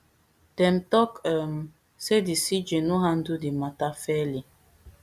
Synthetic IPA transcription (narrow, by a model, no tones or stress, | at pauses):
d̥ɛmtɔkɛm | sedisid͡ʒenuɦandudimatafɛli